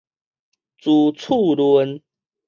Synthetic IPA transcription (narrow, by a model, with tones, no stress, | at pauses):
t͡su˨˩t͡sʰu˥˨lwə˧˦n